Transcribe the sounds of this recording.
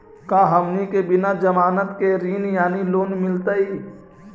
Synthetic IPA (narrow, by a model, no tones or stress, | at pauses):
kaːɦəmnikebɪnad͡ʒəmaːnət̪keɾiːnjaːniloːnmɪlt̪ai